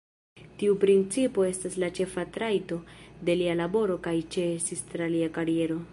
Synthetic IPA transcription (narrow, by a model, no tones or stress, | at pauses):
tiupɾint͡sipo̞e̞staslat͡ʃe̞fatɾajto̞de̞lialabo̞ɾo̞kajt͡ʃe̞sistɾaliakaɾije̞ɾo̞